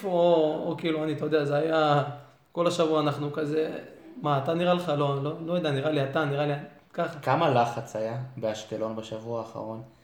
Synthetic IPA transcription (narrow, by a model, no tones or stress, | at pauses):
foookiːluanit̪ojod̪eazeaja | ko̞laʃavuaanaχnukazemaːt̪aniʁaleχalo̞lolojd̪aniʁaliat̪aniʁaliakaχakamalaχat͡sajabeaʃtelo̞nbaʃavuaːχa̰ʁo̞n